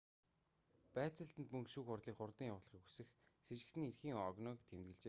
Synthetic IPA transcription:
pæːt͡sə̆ɬt̪ɘ̆nt̪mɵŋkʃuːxʊrɮiːkχʊrt̪ĭŋjawʊːɮʁiːkxusɘ̆xset͡ɕɪ̆kt̪ɘ̆nerxiːŋɔɣnɔkt̪ʰemt̪ɡɘ̆ɮt͡ɕeː

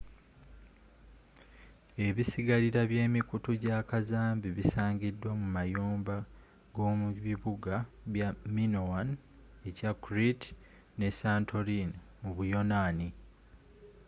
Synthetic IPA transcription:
e̞βisiɡaliɾaβjeːmikutuɟakazaːmbiβisaːɲɟidːwamumajoːmba | ɡo̞ːmuβiβuɡaβjaminowan | ecakuɾit | ne̞saːntʰo̞ɾinmuβujo̞naːni

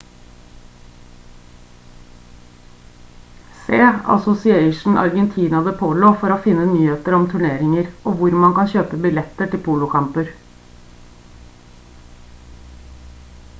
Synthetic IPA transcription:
seːɑ̰sʊsɪeɪʃɳ̩ʔɑ̰ɾɡɛnt̪ʰiːnɑd̪əpʰoːloːfɔɾoːfɪnːənyːheːt̪əɾɔmt̪ʰʉɳeːɾɪŋəɾʔoːʋʊɾmɑnkɑnçøːpəbɪlɛt̪əʈɪlpʰuːlʊkʰɑmpəɾ

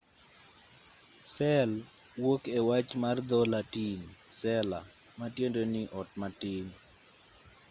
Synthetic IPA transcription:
sɛlwokewat͡ʃmard̪ɔlatinsɛla | matjendonɪʔɔtmatɪn

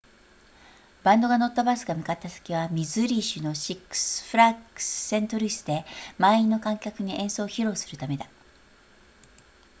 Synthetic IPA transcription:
b̥ãnd̪o̞ɡano̞t̪ːabasɨɡamʲi̟kat̪ːasḁkʲiβ̞amʲizɨɾʲiɕɨno̞ɕikːɯ̥sɨ̥ɸɯ̟ɾakɯ̥sɨ̥sẽ̞nt̪o̞ɾʲisɨd̪e̞mainːo̞kãŋkʲakɯ̟ɲ̟iʔẽ̞ɰ̃so̞ːçiɾo̞ːsɨ̥ɾɯ̟t̪ame̞d̪a

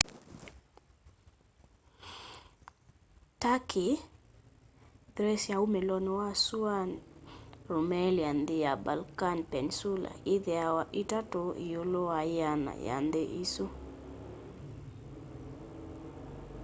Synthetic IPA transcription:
taki | ðɾɛsjaumelɔnɔwasuan | ɾomɛliand̪ejabalkanpɛnsula̰iðɛawaʔitatoijoloajana̰ja̰nd̪eʔiso

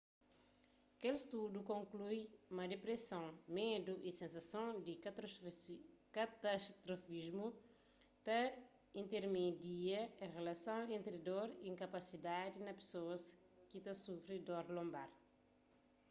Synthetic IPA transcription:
ɐkelst̪udukõŋklujumɐdepɾesɐ̃w̃med̪uʔisẽnsɐsõw̃d̪i | kat̪aʃt̪ɾofizmu | t̪ɐ | ĩnt̪eɾmed̪iɐẽʁelɐsɐ̃w̃ẽnt̪ɾidoɾiĩŋkɐpasid̪ad̪inɐpe̥soɐskit̪ɐsufɾid̪oɾlõmbaɾ

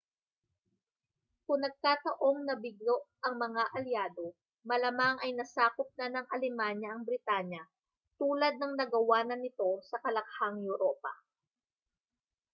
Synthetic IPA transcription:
kʊŋnɐɡ̚kat̪ɐʔo̞ŋnɐbɪɡ̚lo̞ʔʔɐŋmɐŋaʔɐljaːd̪o̞ | mɐlɐmaŋʔɐjnɐsaːkop̚nanɐŋʔɐlɪmaɲjɐʔɐŋbɾɪt̪aɲjɐ | t̪uːlɐd̪̚nɐŋnɐɡɐwaːnɐnɪt̪o̞sɐkɐlɐk̚haŋjʊɾoːpɐ̰

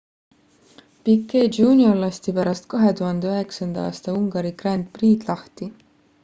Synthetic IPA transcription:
pikːe̥ːuːnʲiolːɑst̪ipæɾɑst̪̚kɑɦe̞t̪uɦɑnd̪̥e̞øɦe̞ksɑnd̪̥ɑɑ̰ːst̪ɑuŋɡ̥ɑɾikrænd̪̥̚priːd̪̥lɑht̪i

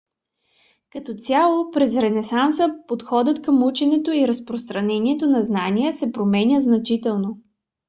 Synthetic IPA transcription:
kɐt̪ɔt̪ʲjalˠopɾɛzɾɛnɛsansəpot̪xɔd̪ət̪kəmut͡ʃɛnɛt̪oiɾəspɾost̪ɾɐnɛniɛt̪onɐznaniəsɛpɾomɛnʲəznɐt͡ʃit̪ɛlˠno

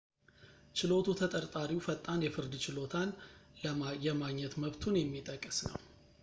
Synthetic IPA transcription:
t͡ʃɪlo̞t̪ʰut̪ʰət̪ʼəɾt̪ʼaɾiwfət̪ʼːanjɛfɨɾd̪t͡ʃɪlo̞t̪ʰan | jɛmaɡɲːɛt̪məβt̪ʰunjɛmːit̪ʼəkʼːɨsnə̰w

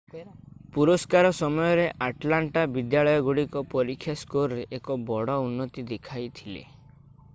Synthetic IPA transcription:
puɾɔskaɾɔsɔmɔjɔɾeʔaʈlaɳʈabid̪jaɭɔjɔɡuɽikɔpɔɾikʰːjaskoɾɔɾeʔːkɔbɔɽɔunːɔt̪id̪ekʰajt̪ʰilḛ

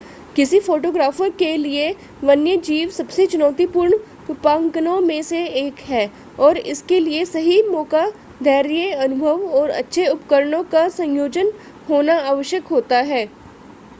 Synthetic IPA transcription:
kɪsifoːʈoːɡɾaːfəɾkelie | ʋɐnjəd͡ʒiːʋsɐbset͡ʃʊnɔːt̪ipʊɾɳ | ɪpaːŋkənõmẽseeːkɦɛː | ɔːɾɪ̰skeliesɐɦimɔːka | d̪ʱɛːɾjeɐnʊbʱəʋɔːɾɐ̰tːʃʰeʊpkəɾəɳõkasɐ̃njoːd͡ʒən | ɦoːnaaːʋəʃjəkɦoːt̪aɦɛː

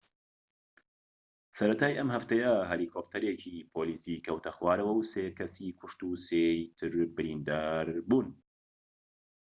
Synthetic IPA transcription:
sɐɾɐt̪ʰaːjʔɐmhɐft̪ɐjɐɦɐlikʰop̚t̪ʰɐɾet͡ʃʰipʰoliːsiːkʰɐwt̪ʰɐxwaːɾɐwɐwsekʰɐsikʷʰʊʃt̪uset̪ʰɨɾbɨɾiːnd̪aːɾbuːn

